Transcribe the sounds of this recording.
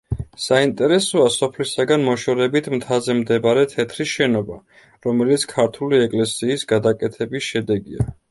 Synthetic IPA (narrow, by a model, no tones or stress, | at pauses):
saint̪ʼɛɾɛsɔasɔpʰlisaɡanmɔʃɔɾɛbit̪ʰmt̪ʰazɛmd̪ɛbaɾɛt̪ʰɛt̪ʰɾiʃɛnɔba | ɾɔmɛlit̪sʰkʰaɾt̪ʰuliɛkʼlɛsiːsɡad̪akʼɛt̪ʰɛbisʃɛd̪ɛɡia